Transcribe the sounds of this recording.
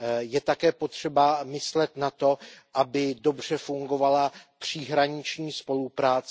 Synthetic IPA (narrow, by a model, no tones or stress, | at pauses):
jɛt̪akɛːpo̞t̪r̝̥ɛbamɪslɛt̪nat̪o̞ʔabɪdo̞br̝ɛfuŋɡo̞valapr̝̥ɪɦɾaɲɪt͡ʃɲiːspo̞lupɾaːt͡s